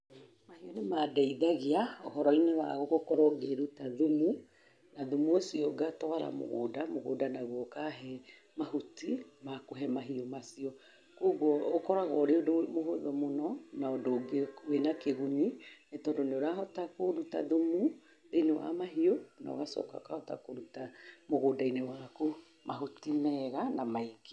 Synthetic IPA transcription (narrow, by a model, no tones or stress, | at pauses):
mahionemaːdaiðaɣeaɔhɔɾɔinewa̰ɣoɣokɔɾɔɡeɾutaðomu | naðomuosiɔɡatɔaɾa̰mo̰ɣo̰ːdamoɣo̰ːdanaɣwɔkaɦɛ | maɦotimakoɦɛmaɦiɔmasiɔ | koɣwɔːkɔɾaɣɔɾeodomoɦoðɔmonɔnaodoɡewenakeɣuɲinetɔːndoneoɾaɦɔtakoɾuta̰ðomu | einewa̰maɦiona̰o̰ɣasɔ̰ka̰kahɔta̰koɾutamoɣodainewako | mʔaɦotimɛɣanamaike̥